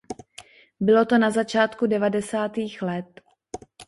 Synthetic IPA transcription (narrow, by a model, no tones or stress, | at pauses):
bɪlo̞t̪o̞nazat͡ʃaːt̪kudɛvadɛsaːt̪iːxlɛt̪